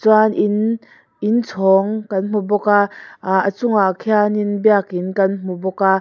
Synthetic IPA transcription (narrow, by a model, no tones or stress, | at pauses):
t͡swanʔin | int͡sʰɔːŋkɐnm̥ubɔkaʔət͡sʊŋaʔkʰɛaninbiakinkɐnm̥ubɔka